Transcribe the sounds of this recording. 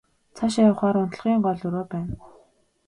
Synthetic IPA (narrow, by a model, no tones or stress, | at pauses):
t͡sʰaʃajʊ̆χaːɾʊnt̪̆ɮʁ̥iːɴɢɔɮɵɾoːpæːn